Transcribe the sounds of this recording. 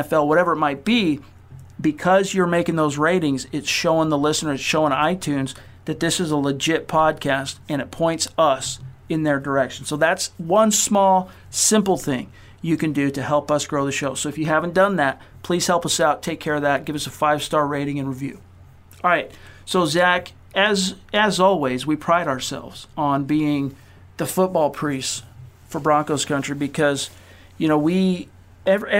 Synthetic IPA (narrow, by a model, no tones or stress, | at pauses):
fɛlˠwʌɾɛvə˞ɨt̚maɪt̚b̥i | bɨkʰʌzjə˞meɪkɪ̃ŋðoʊzɹeɪɾɪ̃ŋzɨtsʃoʊɪ̃ŋðəlɪsnə˞z̥ʃoʊɪ̃ŋa̰ɪtʰʉ̃nz | ðɨt̪̚ðɪsɨzələd͡ʒɪt̚pʰɑd̚kʰæstɨ̃ñɨt̚pʰɔ̃ɪ̃ntsʌsɨ̃nðə˞də˞ɛkʃn̩soʊðætswʌ̃nsmɔlˠ | sɪ̃mpl̩ˠθɪ̰̃ŋ | jɨkɨ̃ndɨɾɨhɛlˠpʌsɡ̥ɹoʊðɨʃoʊsoʊɨfjɨhævn̩d̥ʌ̃nðæt̚pʰl̥iz̥hɛlˠpʌsaʊtʰeɪkʰɛɹʌvðɨt̚ɡ̥ɪvʌsəfaɪv̥stɑɹɹeɪɾɪ̃ŋɨ̃nɹivjʉ̰ | ɹaɪt̚soʊzæk | ɨzɨzɔlˠwiɪzwipʰɹ̥aɪɾəə˞sɛ̰lˠvz̥n̩biɪ̃ŋ | ðɨfʊt̚b̥ɔlˠpʰɹ̥ist | fə˞bɹɑ̃ŋkoʊz̥kʰʌ̃nt͡ʃɹ̥ibɨkʰʌz̥ | jɨñoʊwi | ɛv